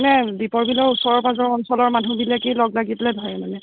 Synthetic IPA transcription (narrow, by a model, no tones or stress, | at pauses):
nɛdipɔɹbilɔɹusɔɹɔɹpazɔɹɔnsɔlɔɹmanubilakijlɔɡlaɡitlɛdʱɔjɛmanɛ